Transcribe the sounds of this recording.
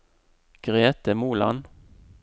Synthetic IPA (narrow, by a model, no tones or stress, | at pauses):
ɡ̥ʁeːt̪əmuːlɑ̰n